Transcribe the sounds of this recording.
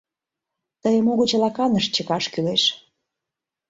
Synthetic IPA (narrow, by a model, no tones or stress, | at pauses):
t̪əjə̆muɣə̆t͡ɕ̆lɑkɑnəʃt͡ɕəkɑʃkyleʃ